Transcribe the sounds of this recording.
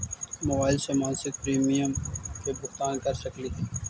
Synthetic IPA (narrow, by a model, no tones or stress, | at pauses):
mɐbaːɪlsemãːnsɪk̪̚pɾiːmijəmkebʊxt̪aːnkɐɾsɐkliː